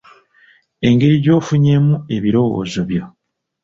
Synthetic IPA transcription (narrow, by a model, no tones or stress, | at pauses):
e̞ŋɡe̞ɾiɟo̞ːfuɲe̞mue̞βiɾo̞wo̰ːzo̞βjo̞